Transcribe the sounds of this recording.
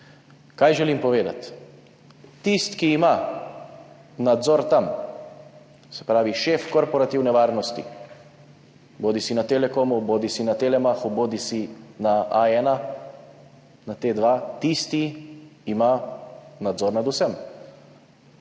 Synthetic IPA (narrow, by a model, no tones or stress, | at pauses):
kaːjʒɛlimpɔʋeːd̪a̰t̪ | ist̪kiːma | nad̪zɔɾt̪am | sɛ̥pɾaːʋiʃeːfkɔɾpɔɾat̪iwnɛʋaːɾnɔst̪ḭ | boːd̪isinat̪elɛkoːmuboːd̪isinat̪elɛmaxoboːd̪isinaʔaɛːna | nat̪eːd̪ʋaːt̪ist̪iː | manad̪zɔɾnad̪usɛm